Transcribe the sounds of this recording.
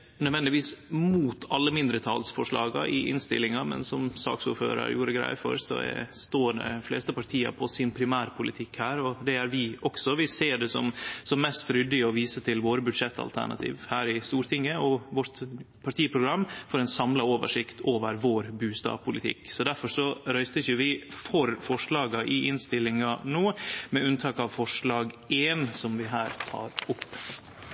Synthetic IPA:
nœd̪ʋɛnd̪ɪʋiːsmuːt̪ʰɑlːəmɪnd̪ɾət̪ʰɑːlsfɔʂɭɑ̰ːɡɑʔɪʔɪ̰nst̪ɪ̰lɪŋɑmɛ̰nsɔmsɑ̰ːksṵːɾfø̰ːɾə̰ɾjuːɾəɡɾæ̰ɪfɔ̰ɾsɔ̰ɛ̰st̪oːɖɛ̰fleːst̪əpʰɑɾʈ̪ʰiːɑ̰pʰɔsɪnpʰɾɪmæːɾpʰʊlɪt̪ʰɪkhæːɾɔd̪ɛæɾʋɪʔɔksɔʋɪseːɖɛsɔmsɔmmɛst̪ɾʏd̪ːɪɔʋiːsət̪ʰɪlʋoːɾəbʉd̪ʂɛt̪ʰːɑ̰lt̪ʰæ̰ɳɑ̰t̪ʰḭːʋhæːɾɪst̪uːɾt̪ʰɪŋːəɔʋɔʈ̪ | pʰɑʈʰiːpʰɾʊɡɾɑmːfɔɾɛnsɑmlɑoːʋə̰ʂɪkt̪ʰoːʋəɾʋoːɾbʉːst̪ɑ̰ːpʰʊlɪt̪ʰɪ̰ksɔd̪æɾfɔʂɔɾœʏst̪əɪçəʋɪfɔɾfɔʂɭɑːɡɑʔɪʔɪnst̪ɪlːɪŋɑnoːmɛʉnt̪ʰɑːkɑʋfɔʂlɑːɡʔeːnsɔmʋɪɦæːɾt̪ʰɑ̰ːɾʊpː

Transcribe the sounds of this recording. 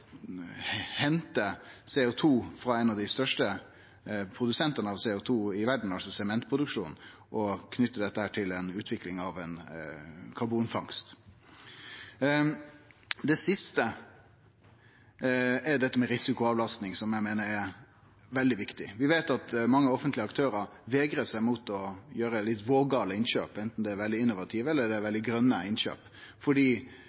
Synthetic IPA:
hɛnt̪əseːʊt̪ʰuːfɾɑɛnɑʋd̪ɪst̪œʂʈə | pʰɾʊd̪ʉsɛnt̪ənəɑʋseːʊt̪ʰuːɪʋæɖɳ̩ɑlsɔsɛmɛnt̪pʰɾʊd̪ʉkʂṵːn | ʔɔkʰnʏt̪ːəd̪ɛt̪ːəhæːʈʰɪlɛnʉːt̪ʰʋɪklɪŋɑʋɛn | kʰɑɾbuːnfɑŋst̪ | d̪ɛsɪst̪ə | ɛɖ̪ɛt̪ːəmɛɾɪsɪkʊɑʋlɑst̪nɪŋsɔmjæɪmeːnəɾɛɾ | ʋɛld̪ɪʋɪkt̪ɪʋɪʋeːt̪ɑt̪mɑŋːəɔfənt̪lɪəɑkt̪ʰøːɾəɾʋeːɡɾəsæɪmut̪ɔjøːɾəlɪt̪ːʋoːɡɑːləɪnʃø̰ːpɛnt̪n̩d̪ɛæɾʋɛld̪ɪɪnːʊʋɑt̪ʰiːʋɛlːəɖ̪ɛɾʋɛld̪ɪɡɾœnːəɪnʃø̰ːp | fɔɖiː

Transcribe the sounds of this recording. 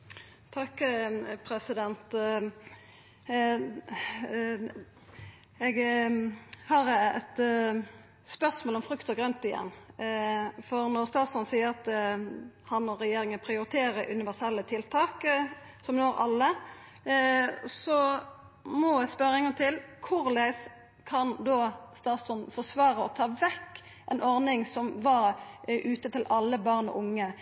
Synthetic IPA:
t̪ʰɑkːpʰɾɛsɪd̪ɛnt̪ | ɛɡ | hɑːɾɛ̰t̪ | spœʁsmoːlɔmfɾʉkt̪ɔɡɾœnt̪ɪjɛ̰nː | fɔɾnɔɾst̪ɑːt̪sɑnsiːəɾɑt̪̚d̪ | hɑnɔɾɛjeːɾɪŋəpʰʁɪʊɾɪt̪ʰeːɾəʔʉnɪʋæʁsɛlːət̪ʰɪlt̪ʰɑːk | sɔmnoːɾɑ̰lːə | sɔ | mɔæspœɾɪŋənət̪ʰɪlkʰʊɾlæɪs | kʰɑnd̪oːst̪ɑːt̪sɔnfɔʁsʋɑːɾəɔt̪ʰɑːʋɛkː | ʔɛnɔʁnɪŋsɔmʋɑɾʔʉːt̪ət̪ɪlɑlːəbɑʁnɔ̰ʔʊŋːə

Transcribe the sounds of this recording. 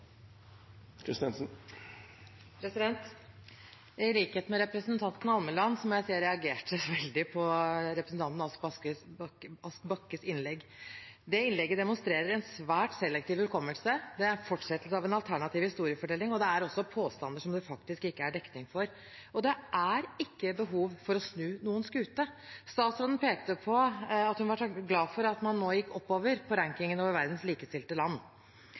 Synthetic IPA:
kʰɾɪst̪ɛnsn | pʰɾɛsɪd̪ɛnt̪ | ɪliːkheːt̪mɛɾɛpɾəsnt̪ʰɑnt̪n̩ɑlməlɑnːsɔmjæɪsiːəɾɛɑɡeːʈəʋɛld̪ɪpʰɔɾɛpɾəsn̩t̪ɑnt̪nɑsbɑə | ɑskbɑkːəsɪnlɛɡːd̪ɛɪnlɛɡːəd̪ɛmʊnst̪ɾeːɾəɾɛnsʋæːʈsɛlːɛk̚t̪iːʋʉlkʰɔmːəlsəd̪ɛæɾfɔʈːʂɛt̪ːlsɑʋɛnɑlt̪ʰæɳɑt̪ʰiːʋhɪst̪uːɾɪəfɔʈʰɛlːɪŋɔd̪ɛæɾɔsːɔpʰoːst̪ɑnd̪əʂɔmd̪ɛfɑkt̪ɪskɪkːəæɖɛkt̪ɪŋfɔɾ | ɔd̪ɛʔæɾɪkːəbəɦuːʋfɔɾɔsnʉːnuːənskʉːt̪əst̪ɑːt̪sɾoːd̪npʰeːk̚t̪əpʰɔɑt̪hʉnʋɑʈɡlɑːfɔɾɑt̪mɑnːoːjɪkːɔpːoːʋəɾpʰɔɾæŋkɪŋənoːʋəɾʋæɾd̪n̩sliːkəst̪ɪlt̪əlɑnː

